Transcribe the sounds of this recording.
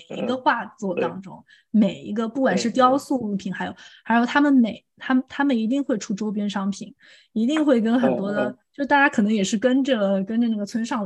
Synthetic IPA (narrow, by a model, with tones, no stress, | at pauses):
ḭ˧˥ɡə˧xwa˥˧t͡swɔ˥˩t̪ɑ˥ŋʈ͡ʂʊ˥ŋ | me˨˩ɪḭ˧˥ɡə˧pu˥˩kwa˨˩nʂɻ̩˥˩t̪jɑ˥ʊsu˥˧u˥˩pʰi˨˩˦nxa˧˥ɪjo˨˩˦ʊxa˧˥ɪjo˨˩ʊt̪ʰa˥mə˨nme˨˩ɪt̪ʰa˥m˨t̪ʰa˥mə˨ni˧˥t̪i˥˧ŋxwe˥˩ɪʈ͡ʂʰu˥˩ʈ͡ʂo˥ʊp̬jɛ˥nʂɑ˥ŋpʰi˨˩˦n | i˧˥t̪i˥˧ŋxwe˥˩ɪkə˥nxə˨˩nt̪wɔ˥d̪ə˨t͡ɕo˥˧ʂɻ̩˥˩t̪a˥˩t͡ɕja˥kʰɤ˨˩nɤ˧˥ŋjɛ˨˩ʂɻ̩˥˩kə˥nʈ͡ʂə˥˩kə˥nʈ͡ʂə˧na˥˩ɡə˩t͡sʰwə˥nʂɑ˥˩ŋ